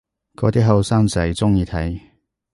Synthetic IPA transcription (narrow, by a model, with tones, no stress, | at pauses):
kɔː˧t̪iː˥ɦɐ˨˧wsaː˥ŋt͡sɐ˨˩jt͡sʊ˥ŋjiː˧t̪ʰɐ˨˥j